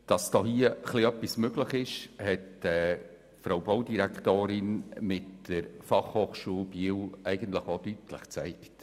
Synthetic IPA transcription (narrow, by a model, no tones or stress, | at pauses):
d̥ɑsd̥ɔːhiəχliœpːismøɡləχɪʃhɛtɛː | fɾowbowdiɾæktoːɾɪnmɪtːəɾfɑχhoːχʃuːlbiəwɛɪɡənt̪ləχodytlə̰χt͡sɛɪkt